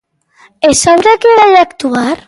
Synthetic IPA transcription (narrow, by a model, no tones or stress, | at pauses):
esanɾakeɾaʎakt̪uaɾ